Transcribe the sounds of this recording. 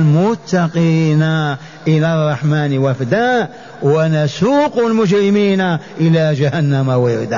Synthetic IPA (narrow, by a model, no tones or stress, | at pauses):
lmʊt̪ːɑqina | ʔəlarˤːɑħmaːnwafd̪a | wʔænasuːqulmʊd͡ʒɾɪmiːnaʔəlaʒahænːamawɪd̪a